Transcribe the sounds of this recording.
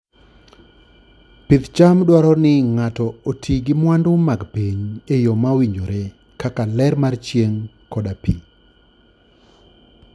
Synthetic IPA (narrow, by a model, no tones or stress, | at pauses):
pid̪t͡ʃamdwɔɾɔnɪŋatɔotʰiɡɪmwandʊmaɡpiɲejɔmawiɲoɾe | kakalɛrmart͡ʃjeŋ | kɔdapḭ